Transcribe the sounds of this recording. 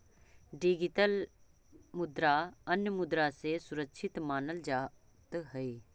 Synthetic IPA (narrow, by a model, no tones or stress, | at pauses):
ɖiɡɪʈəl | mʊd̪ɾaɐnjəmʊd̪ɾasesʊɾəkʃʰɪt̪maːnəld͡ʒaː | t̪ɦɐiː